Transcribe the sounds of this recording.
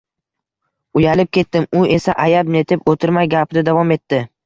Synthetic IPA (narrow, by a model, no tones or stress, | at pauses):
ʊjalɪp̚kʲe̞t̪ːɪmʊe̞saʔajabne̞t̪ʰɪpot̪ʰɪɾmajɡʲapʰɪd̪ad̪avɒme̞t̪ːɪ